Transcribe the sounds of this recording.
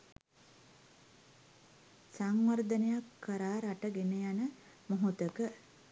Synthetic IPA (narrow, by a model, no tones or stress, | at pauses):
saŋʋəɾd̪ənejakːəɾaːɾaʈəɡenəjanə | moɦut̪əkə